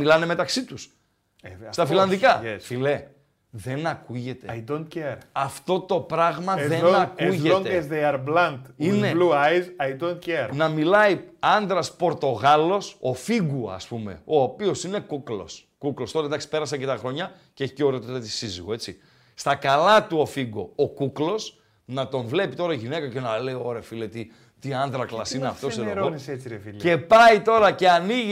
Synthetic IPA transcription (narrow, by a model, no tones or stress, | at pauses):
ilɐne̞me̞t̪ɐksit̪us | st̪ɐfilɐnðikɐfile | ðe̞nɐkuʝe̞t̪ed̪on̚ceɾɐft̪o̞t̪o̞pɾɐɣmɐðenɐkuʝeoŋezd̪eɐɾblɐnt̪ine̞luajzɐjd̪onceɾnɐmilɐiɐnd̪ɾɐspo̞ɾt̪o̞ɣɐlo̞so̞fiɣuɐ̰spume̞̰o̞ːpio̞sine̞kuklo̞̰s | kuklost̪oɾɐd̪ɐksi̥pe̞ɾɐsɐcet̪ɐxɾo̞ɲɐ | ceeçi̥ceoɾeot̪ot̪ɐt̪i̥siziɣo̞e̞t͡si | st̪ɐkɐlɐt̪uofiɡo̞̰okuklo̞s | nɐt̪o̞ɱvle̞pit̪o̞ɾɐiʝinekɐce̞nɐle̞io̞ɾefilet̪i | t̪iɐnd̪ɾɐklɐsineɐft̪osseɾooniset͡siɾefilepɐit̪o̞ɾɐce̞ɐniʝ